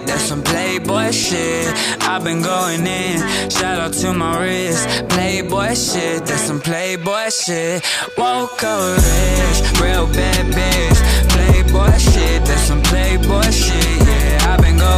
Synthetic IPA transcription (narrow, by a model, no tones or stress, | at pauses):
ðɛ̥sʌ̃mpʰl̥eɪbɔɪʃɪt | aɪbɨ̃nɡoʊɪ̃ŋɪ̃nʃæɾoʊtʰumaɹɪspʰl̥eɪbɔɪʃɪt̚ðɛ̥sʌ̃mpʰl̥eɪbɔɪʃɪt | wokʰʌɹəɹɪd͡ʒɹɛlbɛbɪʒpʰl̥eɪbɔɪʃɪt̚ðəz̥sʌ̃mpʰl̥eɪbɔɪʃɪʔjɛ | aɪbɨ̃nɡo